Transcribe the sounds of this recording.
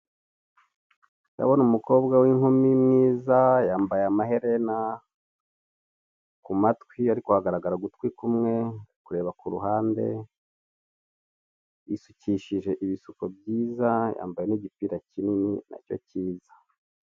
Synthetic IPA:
na̰βo̞numuko̞ːbɡawiŋhumimŋiːzajaːmbajeamaɦe̞ɾena | kumatkwiaɾikohaɡaɾaɡaɾaɡutwikumŋe̞kuɾe̞ːβakuɾuɦaːnde̞ | isuciʃiʒe̞ʔiβisukob̚ɟiːzaja̰ːmbaje̞niɟipiːɾacininina̰co̞̰ciːzḁ

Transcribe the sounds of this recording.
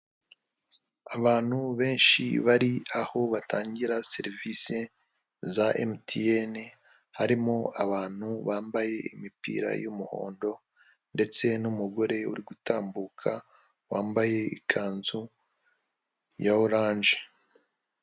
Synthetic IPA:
aβaːn̥huβe̞ːnʃḭβaɾiaho̞βataːɲɟiɾaseɾivise | zaʔḛmtʰiene | haɾimo̞aβaːn̥huβaːmbaje̞ḭmipḭːɾa̰jumuho̞̰ːndo̞ | nde̞t͡se̞numuɡo̞ɾe̞ṵɾiɡutaːmbuːkʰa | waːmbaje̞ikʰaːnzu | jaoɾaːnʒe̥

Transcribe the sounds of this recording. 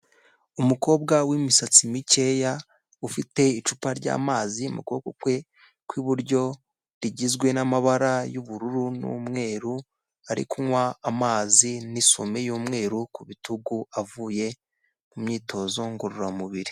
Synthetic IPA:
umuko̞ːb̚ɡawimisat͡simice̞ja | ufite̞it͡ʃupaɾɟa̰ːmaːzimṵkuokukwe̞ | kwiβuɾɟo̞ | ɾiɟizɡwe̞namaβaɾajuβuɾuɾunṵːmŋe̞ːɾu | aɾḭkʰuŋwaːmaːziniso̰mejuːmŋe̞ːɾukuβituɡuavuje̞ | mumɲiːtʰo̞zo̞ŋɡoɾuɾamuβiɾi

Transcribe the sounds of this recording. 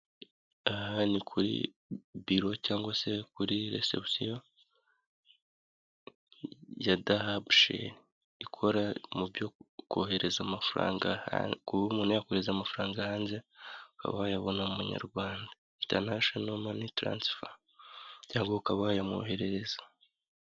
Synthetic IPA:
ahanikʰuɾḭ | biɾo̞caːŋɡwase̞kuɾiɾe̞̰sḛpsijo | jadahabʃḛn | ikʰo̞ɾamubjokoːɦe̞ɾe̞zamafɾa̰ːŋɡakuumuːnajakoheezamafuɾaːŋɡahaːnzeuka̰βahjaβo̞namumuɲa̰ɾɡwaːnda | inta̰naʃonomanitɾa̰nsfa | caːŋɡwoukaβahjamo̰he̞ɾe̞ɾe̞zḁ

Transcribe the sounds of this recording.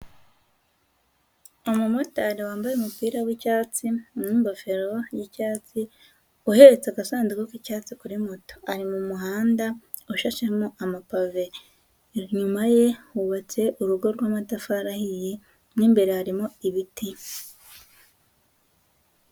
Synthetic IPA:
omumotaɾewaːmbajeumupiːɾawicaːt͡simuːmbafe̞ɾo̞jicaːt͡si | uhe̞ɾet͡sekasaːnzikokicaːt͡sikuɾimoto̥aɾimumuɦaːnda | uʃaʃemoʔamapave | ɲumaje̞wuβat͡se̞ʔuɾuɡo̞ɾɾwamatafaɾahije | nimbe̞ɾehaɾimoiβiti

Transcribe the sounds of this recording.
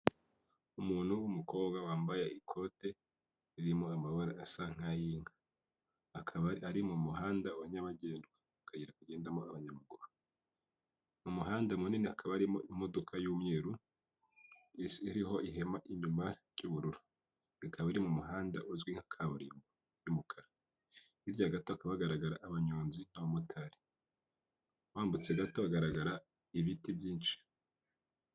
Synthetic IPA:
umuːn̥huwumuko̞ːbɡawaːmbajeikʰo̞te̞ | iɾimoamaβaɾaasaŋ̥ajiːŋḁ | aɾimomuɦaːndauβaɲaβaɟe̞ːndwa | akaɟiɾakuɟe̞ːndamoaβaɲaβaɡuɾu | mumuɦaːndamuninihakʰaβahaɾimo̞̰im̥o̞dokʰajuːmŋeːɾu | isiːɾiɦo̞iɦe̞maʔiɲumaɾjuːβuɾuɾu | ikʰaβaiɾimumuɦaːnda̰ʔuzɡwiŋ̥hakʰaβuɾḭːmbo | jumukʰaɾa | ivjaɡatoakaβaaɡaɾaɡaɾaʔːβaɲuːnzin̥aβamutʰaɾi̥ | waːmbut͡seɡato̞aɡaɾaɡaɾa | iβitivjiːnʃi̥

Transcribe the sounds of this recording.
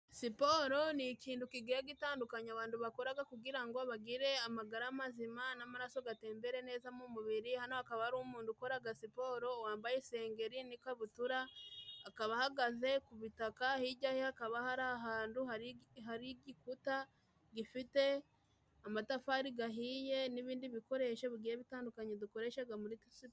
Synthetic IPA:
sipo̞ɾo̞nikiːndukiɡiɾaɡitaːndukaɲaβaːnduβakoɾaɡakuɡiɾaŋɡo̞βaɡiɾe̞amaɡaɾamazimanamaɾaso̞ɡate̞ːmbe̞ɾe̞ne̞ːzamumuβiɾihano̞akaβahaɾuːmuːnduko̞ɾaɡasipo̞ɾo̞waːmbajese̞ːŋɡe̞ɾinikaβutuɾaː | kaβahaɡaze̞kuβitakahiɟahihakaβahaɾaɦaːnduɦaɾiɦaɾiɡikuta | ɡifite̞ | amatafaɾiɡaɦiːje̞niβiːndiβiko̞ɾe̞ʃeβuɡiɾeβitaːndukaɲeduko̞ɾe̞ʃaɡamuɾitisip

